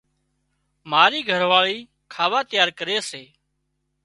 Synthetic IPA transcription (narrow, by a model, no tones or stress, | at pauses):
maːɾiːɡʱəɾʋaːɭiː | kʰaːʋaːt̪ɪjaːɾkəɾeːseː